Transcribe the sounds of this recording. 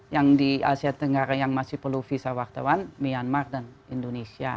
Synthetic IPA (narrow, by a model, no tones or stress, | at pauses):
jaŋdiasiat̪əŋɡaɾajaŋmasɪhpərlufisawart̪a̰wanmianmardan | indonesia̰